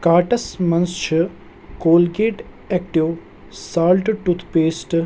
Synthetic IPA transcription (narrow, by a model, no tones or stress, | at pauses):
kaːʈɐsmɐnst͡ʃʰi | koːlɡeːʈ | eːk̚ʈiʋ | saːlʈʈut̪ʰpeːsʈ